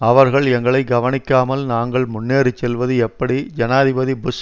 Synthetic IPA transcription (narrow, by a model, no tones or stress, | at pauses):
ɐʋɐɾɣɐɭɛŋɡɐɭɐɪɡɐʋɐnɪkːaːmɐlnaːŋɡɐɭmʊnːeːɾɯt͡ʃːɛlʋɐðɯɛpːɐɽid͡ʒɐnaːðɪbɐðibʊs